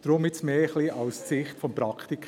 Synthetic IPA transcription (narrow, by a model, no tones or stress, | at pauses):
d̥ɾʊmɪsmeːχliʔɑʊst͡sɪχtfɔmpɾɑkχtik